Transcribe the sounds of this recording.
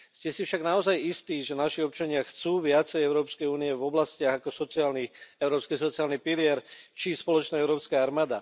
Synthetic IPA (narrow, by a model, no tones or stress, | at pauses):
scɛsifʃaɡnaɔzajist̪iːʒɛnaʃiɔp̚t͡ʃaɲɪaxt͡suːʋɪat͡sɛjɛɛʊɾɔːpskɛjuːniɛvɔblascɪaɣakɔsɔt͡siaːlniɛʊɾɔːpskisɔt͡siaːlnipilɪɛɾt͡ʃispɔlɔt͡ʃnaːɛʊɾɔːpskaːaɾmaːd̪a